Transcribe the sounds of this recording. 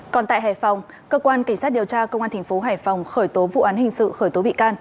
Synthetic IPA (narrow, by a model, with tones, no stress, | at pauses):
kɔ˨˩nt̪a̰ː˧˨jɦaː˧˩jfa˨˩wŋ͡m | kəː˧kwaː˧nka˧˩ŋa˦˥t̚ɗi˨˩əwt͡ɕaː˧kə˧wŋ͡mʔaː˧t̪ʰa˨˩ŋ̟fo˨˦ɦaː˧˩jfa˨˩wŋ͡mxəː˧˩jt̪o˨˦vṵ˧˨ʔaː˨˦nhï˨˩ŋ̟sɨ̰˧˨xəː˧˩jt̪o˨˦ɓḭ˧˨kaː˧n